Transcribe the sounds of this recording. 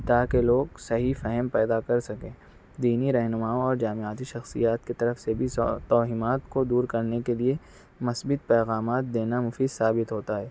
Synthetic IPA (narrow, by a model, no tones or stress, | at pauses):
t̪aːkeloːɡsɐɦifɛɦɛmpɛːd̪akɐɾsɐkẽː | d̪iːniɾɐɦnʊmaːoɔːɾd͡ʒaːmɪaːt̪iʃɐxsḭjaːt̪̚ket̪ɐɾəfsebʱiɔːɦiːmaːt̪kod̪uːɾkɐɾnekelie | mɐsbɪt̪̚pɛːɣaːmaːt̪̚d̪eːnamʊfiːd̪saːbɪt̪ɦoːt̪aɦɛː